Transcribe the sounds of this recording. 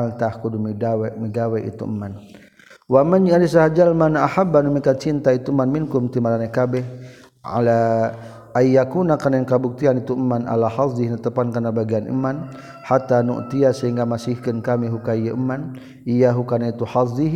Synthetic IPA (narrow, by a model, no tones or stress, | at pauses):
lt̪ahkudumiɡawɛmiɡawɛʔḭt̪ṵʔəmːan | wamaɲialis̬aɦad͡ʒalmanaʔahabːanumikat̪̚t͡ʃint̪ait̪uəmanminkumt̪imalanakabɛh | a̰la | ajːakunakanankabuk̚t̪ianit̪uəmːanʔa̰lahɑzihnat̪əpankanabaɡianʔə̰man | hat̪anṵʔt̪iasəɦiŋɡamasihkənkamiɦukaijaəmːan | ijaɦukanait̪uhɑzi